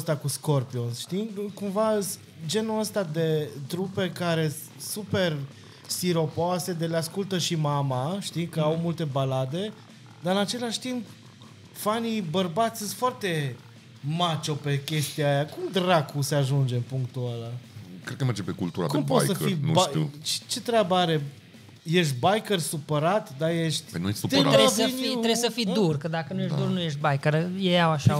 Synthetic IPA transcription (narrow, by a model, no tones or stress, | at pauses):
st̪akusko̞rpionsʃt̪ikumvas | d͡ʒe̞nuəst̪ad̪e̞t̪ɾupe̞kaɾe̞ | supe̞r | siɾo̞poase̞d̪eleaskult̪əʃimamaʃt̪ikəawmult̪e̞balad̪e̞ | d̪aɨnat͡ʃe̞laʃʲt̪imp | fanibərbat̪sʲɨnt̪foart̪e̞ | mat͡ʃope̞kʲe̞st̪iaːjakumd̪ɾakuseaʒund͡ʒe̞mpuŋkt̪ualakɾed̪̚kəmerd͡ʒepekult̪uɾa̰dk̪umpojsəibaḭt͡ʃt͡ʃe̞t̪ɾʲabəaɾe̞ | je̞ʃt̪̚ʲbajkərsupəɾat̪d̪aje̞ʃt̪ʲə̰jnujesut̪evəinuɾesəfid̪urkəd̪akənujeʃd̪urnujeʃt̪̚bajkəɾjejawaʃa